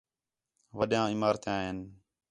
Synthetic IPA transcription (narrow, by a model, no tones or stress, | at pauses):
ʋəɗjãːɪmaːɾt̪jãːɦeːn